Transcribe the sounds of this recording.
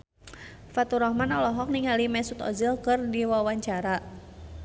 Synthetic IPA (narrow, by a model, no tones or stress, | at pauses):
fat̪uɾɔhmanɔlɔɦɔk̚niŋalimɛsut̪ɔ̰zilkɨrdiwawaɲt͡ʃaɾa